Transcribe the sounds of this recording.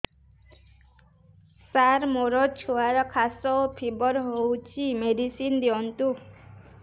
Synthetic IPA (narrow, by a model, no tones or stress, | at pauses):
saɾmoɾɔt͡ʃʰuaɾɔkʰasɔpʰibɔɾɦowt͡ʃʰimeɖisind̪eɔnt̪u